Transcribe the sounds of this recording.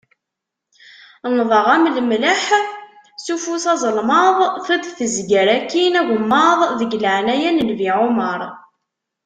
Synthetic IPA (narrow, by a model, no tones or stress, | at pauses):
nðˤəʁæmləmləħ | sufusɑzˤəlmɑðˤθæd̪θəzɡəɾækːinæʝəmːɑðˤðəɡləʕnæjænəlviʕʊməɾˤ